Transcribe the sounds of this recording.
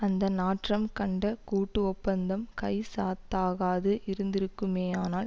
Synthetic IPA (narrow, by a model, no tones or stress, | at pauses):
ɐnd̪ɐnaːʈrɐmkɐɳɖɐkuːʈːɯɔpːɐnd̪ɐmkɐɪsaːt̪ːaːɣaːðɯʔɪɾɯnd̪ɪɾɯkːɯmeːaːnaːl